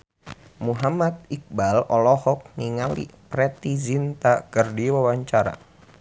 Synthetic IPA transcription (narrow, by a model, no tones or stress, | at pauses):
muɦamat̪̚ik̚balɔlɔhɔk̚niŋalḭpɾɛt̪izint̪akərdiwawaɲt͡ʃaɾa̰